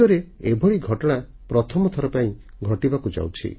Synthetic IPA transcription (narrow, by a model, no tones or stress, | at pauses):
ɔɾeebʱɔɭiɡʱɔʈɔɽa | pɾɔt̪ʰɔmɔt̪ʰɔɾɔpaĩ | ɡʱɔʈibakud͡ʒa̰wt͡ʃʰḭ